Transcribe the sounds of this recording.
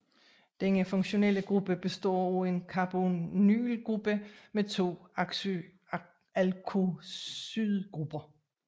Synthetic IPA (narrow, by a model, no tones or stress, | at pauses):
d̥enəfɔ̽ŋɕo̝nel̰əɡ̥ʁub̥əb̥e̝sd̥ɔ̰ːɒenkʰɑb̥ony̰ːlɡ̥ʁub̥əmet͡sʰo̝̰̥ː | ælkʰo | yðˠɡ̥ʁub̥ɐ